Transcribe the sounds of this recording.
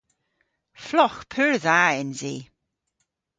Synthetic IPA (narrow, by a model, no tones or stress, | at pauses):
flɔxpʰʉːɹðaːɪnziː